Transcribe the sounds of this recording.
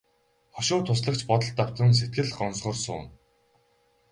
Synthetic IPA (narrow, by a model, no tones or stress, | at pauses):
χɔʃʊːt̪ʰʊs̬ɮə̆k̚t͡ɕpɔt̪ɞ̆ɬt̪aw̥t̪ə̆ns̬et̪̚ɡɘ̆ɮɢɔnsχɞ̆rsʊ̰ːn